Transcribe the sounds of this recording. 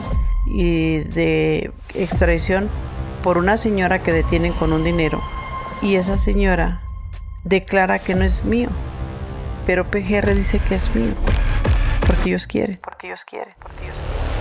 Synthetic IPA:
iðe | ekst̪ɾajsjo̞npo̞ɾunase̞ɲo̞ɾake̞ðe̞t̪je̞ne̞ŋko̞nund̪ine̞ɾo̞̰ | ie̞s̬ase̞ɲo̞ɾa | ðe̞klaɾakeno̞e̞zmio̰ | pe̞ɾo̞pexereðise̞keezmḭo̰ | po̞ɾkeejoskjḛɾenpoɾkeoskjḛɾepoɾkeo

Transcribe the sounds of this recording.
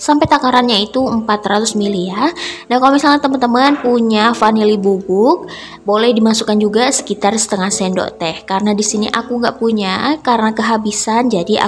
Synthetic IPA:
sampɛt̪akaɾanɲait̪uəmpat̪rat̪ʊsmilianahkalomisalɲat̪əmənt̪əmanpuɲafanilibubʊk̚ | bolɛhdimasukand͡ʒuɡasə̥kit̪arsə̥t̪əŋahsɛndo̰ʔt̪ɛhkaɾənadisinḭʔakuŋɡa̰ʔpuɲakarənakəɦabisand͡ʒadia̰

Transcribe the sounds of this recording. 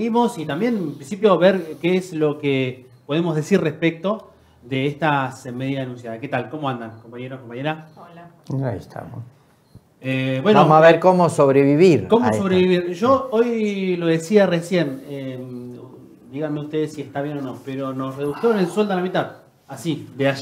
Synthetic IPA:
eɣimo̞sit̪ambje̞nmpɾinsipjo̞βeɾkeeslo̞ke | po̞ðe̞mozðe̞sirrespek̚t̪o̞ | ðeest̪asmeðjaanũnsjaðake̞t̪alko̞mo̞and̪ankompaɲeɾoko̞mpaɲe̞ɾaola | aḭst̪ʰa̰mos | ebwe̞nomaβeɾkomosoβɾeβiβiɾkomoso̞βɾeβiβiɾʒo̞ojloðe̞siaresje̞nem | d̪iɣanmeust̪e̞ðesːiest̪aβjeno̞nõ̞peɾo̞no̞sreðusjoenelswe̞ld̪elamit̪að | asid̪eaʃ

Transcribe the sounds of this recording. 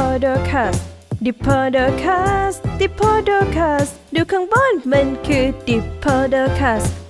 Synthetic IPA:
adəkʰasdipʰadəkʰasd̪ipʰadəkʰas | dukʰə̃ŋbɔnmə̃nkʰɨd̥ipʰadəkʰas

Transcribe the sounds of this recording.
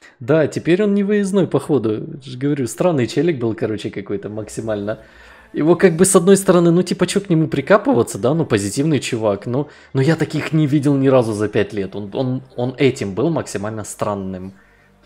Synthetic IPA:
d̪atʲɪpʲeɾʲo̞nnʲɪvəjɪznojpɐxo̞d̪ʊʐɡəvɐɾʲust̪ɾanːɨjt͡ɕelʲɪk̚bɨlˠkɐɾo̞t͡ɕɪkɐko̞jt̪əməksʲɪmalʲnə | ɪvo̞t̪̚kaɡ̚bɨsɐd̪no̞jst̪əɾɐnɨnutʲipət͡ɕoknʲɪmupɾʲɪkapɨvət̪səd̪anupəzʲɪtʲivnɨjt͡ɕʊvakno | nojat̪ɐkʲixnʲɪvʲidʲɪlˠnʲɪɾazʊzɐpʲætʲlʲe̞t̪o̞no̞no̞nɛtʲɪmbɨlˠməksʲɪmalʲnəst̪ɾanːɨm

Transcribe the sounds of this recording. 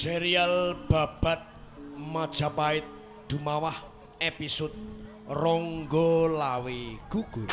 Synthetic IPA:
seɾialb̥a̤b̥a̤t̪̚ | mad̥ʒ̥a̤paɪt̪̚ | d̪̥ṳmawah | episʊd̪̚ | rɔŋɡɔlaweɡ̥uɡ̥u

